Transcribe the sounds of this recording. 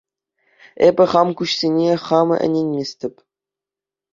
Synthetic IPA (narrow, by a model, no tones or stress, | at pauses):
ebʲɘ̆χɑmkuɕsʲenʲeχɑmɤ̰ʔɘ̰̆nʲenʲmʲesʲtʲɘ̆pʲ